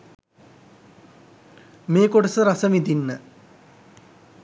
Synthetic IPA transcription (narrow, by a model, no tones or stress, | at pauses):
meːkoʈəsəɾasəmid̪inːə